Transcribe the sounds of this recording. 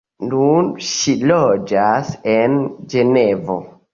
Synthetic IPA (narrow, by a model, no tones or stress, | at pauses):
nunʃilod͡ʒasend͡ʒenevo̰